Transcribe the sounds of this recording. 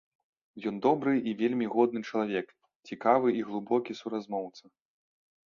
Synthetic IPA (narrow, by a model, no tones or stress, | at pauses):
jɔnd̪ɔbɾɨʔivʲelʲmʲiɣɔd̪̚nɨt͡ʂɐlˠavʲɛk | t͡sʲikavɨiɣlˠubɔkʲisuɾazmɔwt̪sɐ